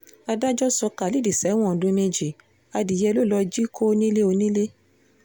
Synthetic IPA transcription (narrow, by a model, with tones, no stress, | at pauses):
a˧da˦d͡ʒɔ˦sɔ˧ka˨li˨˦˨di˨sɛ˨˦w̃ɔ̃˦˨dũ˧me˧d͡ʒi˨ | a˧di˨jɛ˧lo˦˨lɔ˧d͡ʒi˦kʰo˦˧nĩ˦le˦o˧nĩ˦le˦